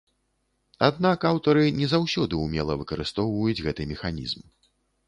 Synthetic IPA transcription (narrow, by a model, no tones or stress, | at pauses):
a̰d̪nakawt̪ɐɾɨnʲɛzawsʲɔd̪ɨumʲɛlˠɐvɨkɐɾɨst̪ɔwvɐjud͡zʲɣɛt̪ɨmʲɛxanʲḭzm